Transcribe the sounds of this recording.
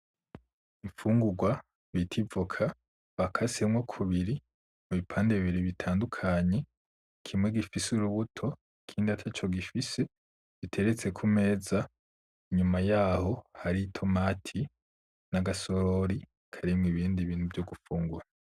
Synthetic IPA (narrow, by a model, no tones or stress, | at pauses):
iɱfuːŋɡuɡwa | βitʰivukʰa | βakʰasemŋokʰuβiɾi | muβipʰaːndeβiβiɾiβitʰaːndukʰaɲe̞ | kʰimŋe̞ɡifisuɾuβutʰo̞ | kʰiːndiatʰat͡ʃo̞ɡifise̞ | β̥itʰe̞ɾet͡se̞kʰume̞ːza | iɲumajaːho̞haɾitʰomaːtʰi | naɡasoɾoɾi | kʰaɾimŋiβiːndiβiːn̥uvjoɡufuːŋɡuɾa